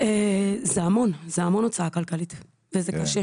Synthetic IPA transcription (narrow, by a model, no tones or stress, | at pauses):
ezeamo̞nzeamo̞not͡saakalkalit̪ | vezekaʃe